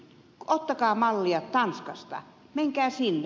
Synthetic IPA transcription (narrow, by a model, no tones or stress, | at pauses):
ot̪ːɑkɑːmɑlːiɑt̪t̪ɑnskɑst̪ɑ̰ | meŋkæːsinː